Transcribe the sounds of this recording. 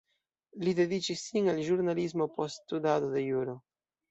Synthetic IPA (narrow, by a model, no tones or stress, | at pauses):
lide̞dit͡ʃisːinalʒuɾnalizmo̞posttudadode̞juɾo